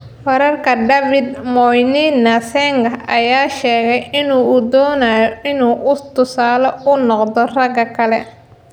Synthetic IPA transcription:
fɐɾɐrkʰɐɖɐfɪd̪mɔjninɐsɛŋɡɐɐjaːʃɛːɣɛjɪnuːʊd̪ɔːnajɔɪnuːʔʊt̪ʊsaːlɐʊnɔqd̪ɔrɐɡɐkʰɐlɛ

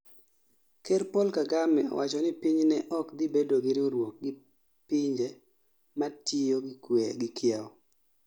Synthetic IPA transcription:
keɾpolkaɡamɛɔ̰wat͡ʃɔnɪpiɲnɛʔɔkd̪ɪbedoɡɪɾɪoɾwok̚ɡɪ | piɲd͡ʒe | matijoɡɪkweɡɪkʰjaɔ

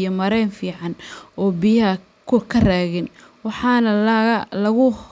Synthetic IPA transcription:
jɔmɐɾɛjnfiːʕɑnɔːbijɐɦɐ | kʰʊkʰɐraːɣɪn | wɑħɑːnɐlɐɣʊ

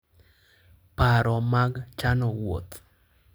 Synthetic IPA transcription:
paɾɔmaɡt͡ʃanɔwo̰t̪

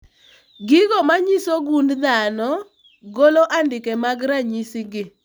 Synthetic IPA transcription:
ɡɪɡɔmaɲisoɡundd̪anɔ | ɡoloʔandɪkɛmaɡɾaɲisɪɡɪ

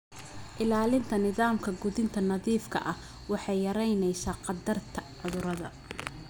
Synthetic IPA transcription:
ʔɪlaːlɪnt̪ʰɐnɪðaːmkʰɐɡʊðɪnt̪ʰɐnɐðiːfkʰɐ̰ʔɐh | wɑħɑjjɐɾɛjnɛjsaːqɑd̪ɐrt̪ʰɐʕʊðʊɾɐðɐ̰

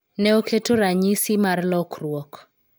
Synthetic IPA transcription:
nɛokʰetoɾaɲisimarlɔkrwɔk

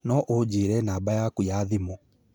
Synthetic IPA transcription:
nɔʔod͡ʑiːɾɛnaːbajakujaðimɔ

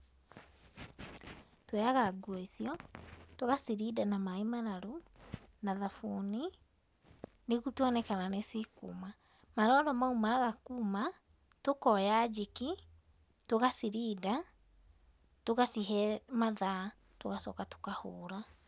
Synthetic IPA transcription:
twɛaɣaɡwɔisiɔtoɣasiɾidanamaemaɾaɾonaðafuni | neɣutwɔnɛkananesikṵma | maɾɔɾɔmaumaːɣakuːma | tokɔjad͡ʒiki | toɣasiɾiːda | toɣasiɦɛmaða | toɣasɔkato̥kahoːɾa

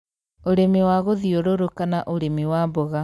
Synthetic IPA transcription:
oɾemewaɣoðioɾoɾokanaʔoɾemiwabɔɣa

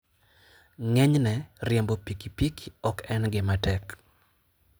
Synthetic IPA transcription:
ŋɛɲnɛrjɛmbopikipikiɔkɛnɡɪmatɛk

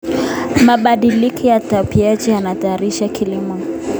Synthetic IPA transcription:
maɓaɗilikʰɔjatapiad͡ʒianataːɾiʃakʰilimɔ

